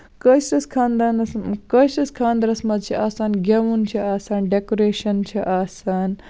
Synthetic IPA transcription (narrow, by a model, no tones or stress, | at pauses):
kɐsɐskʰaːnd̪aːnɐskɐsɐskʰaːnd̪ɐɾɐsmɐd̪t͡ʃʰiʔaːsaːnɡʲɐʋunt͡ʃʰiaːsaːnɖekoɾeːʃɐnt͡ʃʰiʔaːsaːn